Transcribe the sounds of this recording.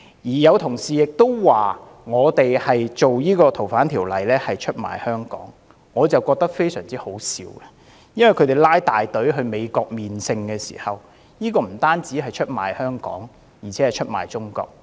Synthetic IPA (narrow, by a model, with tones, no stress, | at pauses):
jiː˨˩jɐ˨˧wt̪ʰʊ˨˩ŋsiː˨jɪ˨k̚t̪o˥wwaː˨ | ŋɔː˨˧t̪e˨jhɐ˨jt͡so˨wjiː˥kɔː˧t̪ʰo˨˩wfaː˨˥nt̪ʰiː˨˩wlɐ˨jlɛː˥hɐ˨jt͡ʃʰɵ˥t̚ma̰ː˨˩jhœː˥ŋkɔ̰ː˨˥ŋː | ɔː˨˧t͡sɐ˨wkɔː˧k̚t̪ɐ˥k̚fe˥jsœː˨˩ŋt͡siː˥ho˨˥wsiː˨˧wɡɛ˧ | jɐ˥nwɐ˨˩kʰt̪e˨˩jlaː˥jt̪aː˨jt̪ɵ˨˥ɥɦɵ˧ɥme˨˧jkɔː˧k̚miː˨nsɪ˧ŋkɛː˧sḭː˨˩hɐ˨w | jiː˥kɔː˧m̩˨˩t̪aː˥nt͡siː˨˥ɦɐ˨jt͡ʃʰɵ˥t̚ma̰ː˨˩jhœː˥ŋkɔ̰ː˨˥ŋ | jiː˨˩t͡sʰɛ˨˦˥ɐ˨jt͡ʃʰɵ˥t̚ma̰ː˨˩jt͡sʊ˥ŋkɔ̰ː˧k̚